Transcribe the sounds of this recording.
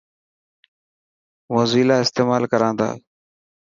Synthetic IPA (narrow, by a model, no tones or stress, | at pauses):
ʋõːziːlaːɪst̪eːmaːlkəɾãːnd̪a̰ː